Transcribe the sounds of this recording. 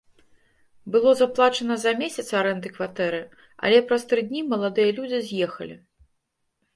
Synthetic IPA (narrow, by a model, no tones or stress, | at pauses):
bɨlˠɔzaplˠat͡ʂɐnɐzɐmʲesʲɐt̪saɾɛnd̪ɨkvat̪ɛɾɨ | ɐ̰lʲɛpɾɐst̪ɾɨd̪ʲnʲimɐlˠad̪ɨjɐlʲud͡zʲizʲjɛxɐ̰lʲḭ